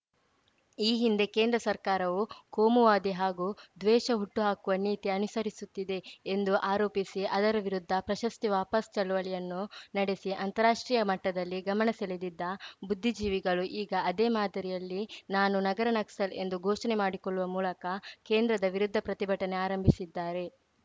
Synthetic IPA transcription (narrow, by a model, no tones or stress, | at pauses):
iːɦind̪e̞keːnd̪ɾɐsɐɾkaːɾɐʋukoːmuʋaːd̪iɦaːɡuːd̪ʋɛːʃɐɦuʈːuɦaːkuʋɐniːt̪iɐnusɐɾisut̪ːid̪e̞ːnd̪uʔaːɾoːpisiʔɐd̪ɐɾɐʋiɾud̪ʱːɐpɾɐʃɐst̪iʋaːpɐst͡ʃɐɭuʋɐɭɛjɐnːunɐɽe̞siʔɐnt̪ɐɾaːʂʈɾiːjɐmɐʈːɐd̪ɐlːiɡɐmɐɳɐseled̪id̪ːɐbud̪ʱːid͡ʒiːʋiɡɐɭuʔiːɡɐɐd̪eːmaːd̪ʱɐɾijɐlːinaːnunɐɡɐɾɐnɐksɐle̞nd̪uɡʱoːʃɐnemaːɽikoɭːuʋɐmuːlɐkɐke̞ːnd̪ɾɐd̪ɐʋiɾud̪ʱːɐpɾɐt̪ibʱɐʈɐneaːɾɐmbʱisid̪ːaːɾe̞